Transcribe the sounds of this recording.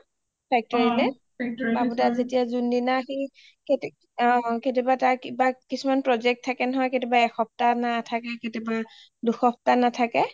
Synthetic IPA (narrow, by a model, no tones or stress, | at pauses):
pʰɛk̚tɔɹilɛ | k̚abutazetijazundinaxi | kt | ketibataɹkibakisumanpɹɔzɛk̚tʰːakɛnɔɦɔjketibaɛxɔp̚tanatʰakɛketiba | duxɔp̚tanatʰakɛ